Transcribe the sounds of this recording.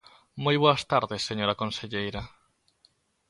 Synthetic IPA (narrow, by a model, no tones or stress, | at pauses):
mujβoɐst̪aɾðesːeɲoɾakõnseʎejɾa